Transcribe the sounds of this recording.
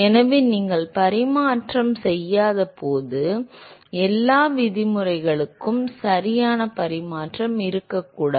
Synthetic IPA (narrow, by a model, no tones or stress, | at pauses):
ɛnɐʋeːniːŋɡɐɭpɐɾɪmaːʈrɐmsɛjːaːðɐpoːðɯ | ɛlːaːʋɪðɪmɯrɐɪɣɐɭɯkːɯmsɐɾɪjaːnɐpɐɾɪmaːʈrɐmɪɾɯkːɐkːuːɽaː